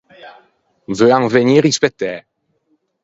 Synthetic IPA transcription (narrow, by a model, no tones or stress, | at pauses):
vøãŋvɛɲiːɾispɛt̪ɛ